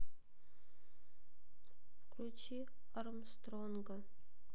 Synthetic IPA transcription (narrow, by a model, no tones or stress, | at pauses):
fklʲut͡ɕi | əɾmst̪ronɡə̆